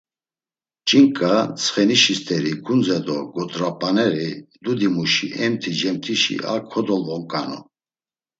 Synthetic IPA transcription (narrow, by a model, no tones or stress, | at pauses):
t͡ʃʼiŋkʼat͡sʰχɛniʃist̪ʰʼɛɾiɡʰund͡zɛd̪ɔɡɔt̪ʼɾapʼanɛɾid̪ud̪imuʃiʔɛmt̪ʰid͡ʒɛmt̪ʰiʃḭʔa̰kʰɔd̪ɔlvɔŋkʼanɔ̰